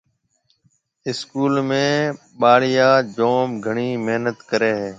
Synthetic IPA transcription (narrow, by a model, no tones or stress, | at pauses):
ɪskuːlmẽː | ɓaːɽɪjaːd͡ʒoːmɡʱəɳiːmeɦnət̪kəɾeːɦeː